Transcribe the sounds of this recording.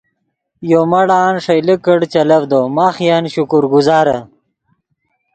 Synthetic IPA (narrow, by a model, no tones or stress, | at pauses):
joːmɐɽaːnʂɐjlikəɽt͡ɕɐlɐvd̪oːmaːχjanɕukuɾɡuzaːɾɐ